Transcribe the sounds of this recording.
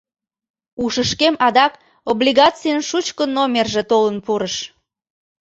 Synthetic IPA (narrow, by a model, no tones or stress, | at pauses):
uʃəʃkemɑd̪ɑk | oblʲiɣɑt͡sijənʃut͡ɕkənomʲerʒet̪olənpuɾəʃ